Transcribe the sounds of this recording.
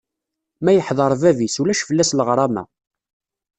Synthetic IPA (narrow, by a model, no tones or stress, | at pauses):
mæjəħðˤɑɾˤvævisulæʃfəlːæsləʁɾˤɑmæ̰